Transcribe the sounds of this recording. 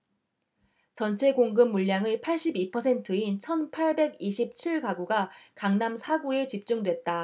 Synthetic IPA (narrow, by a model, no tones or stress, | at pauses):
t͡ɕʌnt͡ɕʰe̞ɡoŋɡɯmːuʎːaŋɯpʰaɭɕ͈ibipʰʌsʰe̞ntʰɯint͡ɕʰʌnpʰaɭbe̞ɡiɕʰip̚t͡ɕʰiɭkaɡuɡakaŋnamsʰaɡue̞t͡ɕip̚t͡ɕ͈uŋdwe̞t̚t͈a